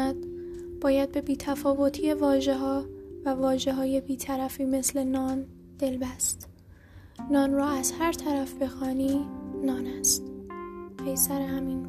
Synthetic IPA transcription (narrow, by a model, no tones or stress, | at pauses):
æd̪̥̚ | b̥ɒːjæd̪̚be̞biːt̪ʰæfɒːvo̞t̪ʰiːevɒːʒeɦɒːvævɒːʒe̞ɦɒːje̞biːt̪ʰæɾæfiːme̞sle̞nɒːn | d̪̥e̞lbæst̪ | nɒːnrɒːæz̥hæɾt̪ʰæɾæfb̥e̞xɒːniːnɒːnæst̪pʰe̞jsæɾeɦæmin